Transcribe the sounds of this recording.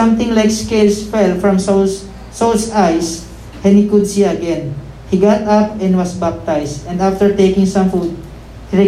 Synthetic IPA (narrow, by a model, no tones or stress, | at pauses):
ʌ̃mt̪ɪ̃ŋlajkskelsfɛlfɹɐ̃m | solsajs | hɛnikʊd̪̚siɐɡɛ̃n | hiɡat̪ap̚ɛ̃nd̪wɐsbap̚t̪ajsd̪ɛ̃nd̪aft̪əɹt̪ejkɪ̃ŋsɐ̃mfud̪̚ | hiɹɪ